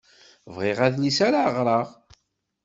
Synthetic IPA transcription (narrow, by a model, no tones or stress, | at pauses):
vʁeʁæðlisaɾaʁɾˤɑʁ